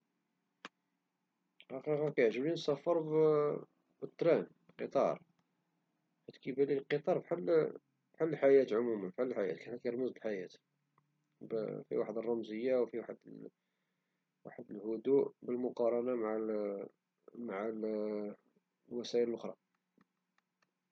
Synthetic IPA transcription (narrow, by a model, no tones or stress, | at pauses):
ħɑqiqɑkæjʕʒəbinsæfːəɾˤb | bət̪ˤːɾænbqət̪ˤɑ̰ɾˤ | ħæt̪kibæliqət̪ˤɑɾˤbħal | bħalːəlħajæt̪ʕʊmumənfħalːlħajæ̰t̪kæħækjɾˤməzbəlħajæt̪ | bfḭwaħəd̪rˤːɑmzəjːawfiwaħd̪ | wa̰ħəd̪əlhʊd̪uʔbəlmʊqɑɾˤɑnamaʕ | maʕal | lwæsæʔələlʔʊxɾˤɑ̰